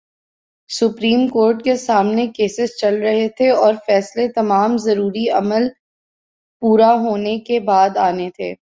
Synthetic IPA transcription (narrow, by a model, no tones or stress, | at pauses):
sʊpɾiːmkoːɾʈkesaːmnekeːsɪzt͡ʃɐlɾɐɦet̪ʰeɔːɾfɛːslet̪ɐmaːmzɐɾuːɾiɐməl | puːɾaɦoːnekebaːd̪aːnet̪ʰḛː